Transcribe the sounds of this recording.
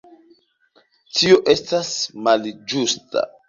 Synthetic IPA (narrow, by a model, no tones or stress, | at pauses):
tio̞ʔe̞stasmald͡ʒusta̰